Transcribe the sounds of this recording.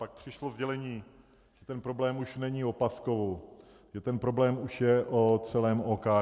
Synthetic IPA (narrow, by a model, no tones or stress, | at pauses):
pak̚pr̝̥ɪʃlozɟɛlɛɲiː | ʒ̥ɛt̪ɛnpɾoblɛːmuʃnɛɲio̞paskovow | ʒɛt̪ɛnpɾo̞blɛːmuʃjɛʔot͡sɛlɛːmoːkaː